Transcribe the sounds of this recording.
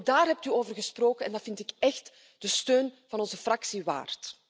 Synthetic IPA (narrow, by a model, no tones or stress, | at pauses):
daːrɦɛp̚tyoːvərɣəsproːkənɛ̰ndɑtvɪntɪkɛxt | d̥əstøːnv̥ɑnɔnzəfrɑksiwa̰ːrt